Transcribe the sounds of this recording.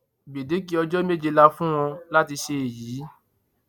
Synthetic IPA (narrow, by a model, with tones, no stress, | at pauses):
be˨de˨˦k̬i˨˦ɔ˧d͡ʒɔ˦me˦˨d͡ʒe˧la˧fũ˦w̃ɔ̃˧la˦ti˧ʃe˧e˨jiː˨˦